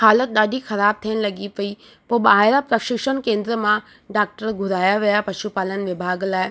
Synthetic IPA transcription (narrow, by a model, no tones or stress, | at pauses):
haːlət̪̚ɗaːɖʱixɐɾaːb̚t̪ʰijəñɪ̆lɐɡipɐi | poːɓaːɦɪɾapɾɐʃɪkʃənkẽːnd̪ɾəmã | ɖaːk̚ʈəɾɡʱʊɾaːjaʋijapɐʃupaːlənɪ̆ʋɪbʱaːɡlaːɪ